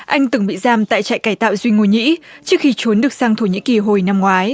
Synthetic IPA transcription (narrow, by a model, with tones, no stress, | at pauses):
ʔa˧jŋ̟t̪ɨ˧˩ŋɓḭ˧˨zaː˧mt̪a̰ː˧˨jt͡ɕa̰ː˧˨jkaː˧˩jt̪a̰ː˧˨wzwi˧ŋo˧˩ɲḭ˧˥t͡ɕɨ˦˥kxi˧t͡ɕo˨˦nɗɨ˨˩ək̚saː˧ŋt̪ʰo˧˩ɲḭ˧˥ki˨˩ɦo˨˩jna˧mŋwaː˨˦j